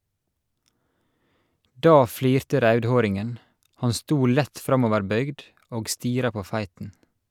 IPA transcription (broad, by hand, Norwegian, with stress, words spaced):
ˈdɑː ˈfliːɾtə ˈɾœʉdˌhoːɾɪŋən ˈhɑn ˈstuː ˈlæt ˈfɾɑmɔʋəɹˌbœʏɡd ˈoːɡ ˈstiːɾɑ ˈpoː ˈfæɪtn̩